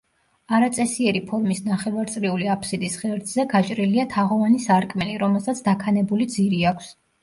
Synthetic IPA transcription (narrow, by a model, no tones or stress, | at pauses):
aɾat̪sʼɛsiɛɾipʰɔɾmisnaχɛvaɾt̪sʼɾiuliapʰsid̪isʁɛɾd̪zɛɡat͡ʃʼɾiliat̪ʰaʁɔvanisaɾkʼmɛliɾɔmɛlˠsat̪sʰd̪akʰanɛbulid̪ziɾiakʷʰs